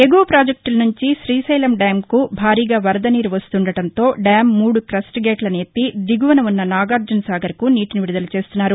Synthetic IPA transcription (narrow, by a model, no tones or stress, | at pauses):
e̞ɡoːpɾaːd͡ʒɐk̚ʈulɐnuɲt͡ʃiʃɾiːsɐjlɐmɖaːmkubʱaːɾiːɡaːʋɐɾɐd̪ɐniːɾuʋɐst̪uɳɖɐɽɐnt̪o̞ːɖaːmːuːɽukɾɐsʈɡeːʈlɐneːt̪id̪iɡuʋɐnɐʋunːɐnaːɡaːɾd͡ʒɐnsaːɡɐɾkuniːʈiniʋiɾud̪ɐlɐt͡ʃeːst̪unːaːɾu